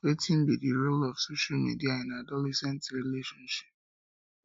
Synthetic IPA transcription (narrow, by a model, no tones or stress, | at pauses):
wetĩnbidiɹolɔfsoʃalmḭdiaɛ̃nadɔlɛsɛ̃ntɹileʃɔ̃nʃi̥p̚